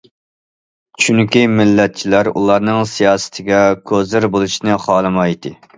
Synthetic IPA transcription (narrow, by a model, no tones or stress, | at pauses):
t͡ʃʰyŋkʲimɪlːɛt̪̚t͡ʃʰilæɾṵlˠɑɾnɨŋsijɑːsɪ̥t̪ʰɪɡʲɛkʲʰøzɪɾbolˠuʃnɨχɑːlˠɨmɑjt̪ʰɨ